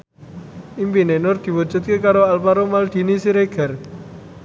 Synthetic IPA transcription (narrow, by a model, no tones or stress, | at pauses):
impinenʊrd̪̥i̤wu̥d͡ʒ̥ṳt̪̚kekaɾoalpaɾomald̪̥i̤nisiɾeɡ̥ɛ̤r